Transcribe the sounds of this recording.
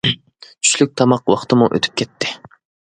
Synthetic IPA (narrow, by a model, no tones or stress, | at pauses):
t͡ʃʰy̥ʃlyk̚ʲt̪ʰɑmɑqwɑχt̪ɨmuʔø̰t̪ʰy̥p̚kʲʰɛt̪ʰːɪ̥